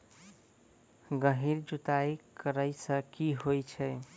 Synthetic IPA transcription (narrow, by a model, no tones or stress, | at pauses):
ɡəɦiɾd͡ʒut̪ajkəɾəjsəkiɦojt͡ʃʰəj